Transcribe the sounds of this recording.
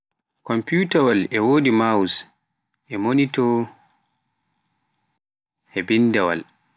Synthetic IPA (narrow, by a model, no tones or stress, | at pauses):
kɔmputawalɛwoːdimawus | ʔɛmonitɔ | hɛbindɛwa̰l